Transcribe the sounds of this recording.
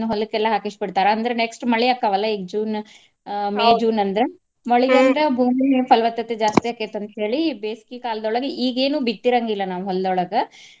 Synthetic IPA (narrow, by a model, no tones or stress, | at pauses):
uɦɔlːukːɛlːɐɦaːkiʂbiɽt̪aːɾɐɐnd̪ɐɾeneksʈmɐɭijakːɐʋɐlːɐiɡd͡ʒuːn | meːd͡ʒuːnɐnd̪ɾe | mɐɭiɐnd̪ɾebʱuːmipɐlʋɐt̪ːɐt̪ːed͡ʒaːst̪ijaːkːet̪ɐnt̪ɦe̞ːɭibeːsi̥kikaːlɐd̪ɔɭɐɡeʔiːɡeːnuːbit̪ːiɾaŋɡilːɐnaːʋuɦɔld̪ɔɭɐɡɐ